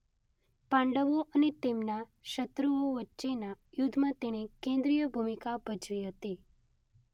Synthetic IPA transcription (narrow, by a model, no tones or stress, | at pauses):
pãɳɖəʋoʔənet̪emnaʃət̪ɾuʋoʋətːʃenajud̪ʱmãt̪eɽ̃ekẽnd̪ɾijəbʱumikabʱət͡ʃʋiɦət̪i